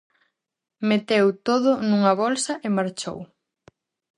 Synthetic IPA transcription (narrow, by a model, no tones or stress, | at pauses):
met̪ewt̪oðʊnuŋɐβolsɐʔɪmaɾt͡ʃo̰w